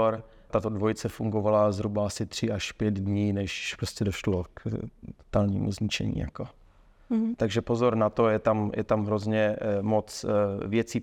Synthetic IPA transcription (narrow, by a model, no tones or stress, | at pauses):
ɾ | t̪at̪odvojɪt͡sɛfuŋɡovalazɦɾubaasɪt̪r̝̥ɪʔaʃpjɛd̪dɲiːnɛʃpɾoscʲɛdoʃloktt̪o̥t̪alɲḭːmṵzɲɪt͡ʃɛ̰ɲḭːja̰ko | t̪aɡʒɛpozoɾnat̪o̞jɛt̪amjʔɛ̰t̪amɦɾozɲɛmot͡svjɛt͡siː